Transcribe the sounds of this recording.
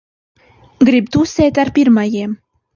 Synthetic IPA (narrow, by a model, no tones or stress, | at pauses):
ɡɾib̚t̪uset̪arpʲirmɑjem